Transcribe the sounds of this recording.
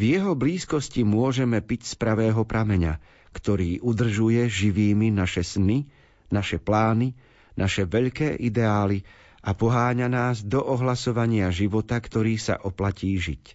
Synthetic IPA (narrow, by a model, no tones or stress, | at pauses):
vjɛɦɔbliːskɔscimʊɔʒɛmɛpicspɾaʋɛːɦɔpɾʔamɛɲa̰ | kt̪ɔɾiːʔud̪r̩ʒujɛʒiʋiːminaʃɛsni | naʃɛplaːni | nʔaʃɛʋɛʎkɛːʔid̪ɛaːli | ʔapɔɦaːɲanaːzd̪ɔʔɔɦlasɔʋaɲɪaʒiʋɔt̪akt̪ɔɾiːsa̰ʔɔplaciːʒic